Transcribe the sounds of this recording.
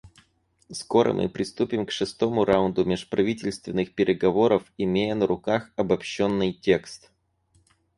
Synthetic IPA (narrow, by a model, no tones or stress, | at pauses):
sko̞ɾə̰mʔɨ̰pɾʲɪst̪upʲɪmkʂɨst̪o̞mʊɾaʊnd̪ʊmʲɪʂpɾɐvʲitʲɪlʲst̪vʲɪnːɨxpʲɪɾʲɪɡɐvo̞ɾəfɪmʲejənəɾʊkaxɐbɐpɕːo̞nːɨjtʲe̞kst̪